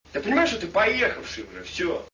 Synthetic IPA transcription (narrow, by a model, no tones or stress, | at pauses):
t̪ɨpənʲɪmajɪʂt̪ot̪ɨpɐjexəfʂɨbɾɨ̰fsʲo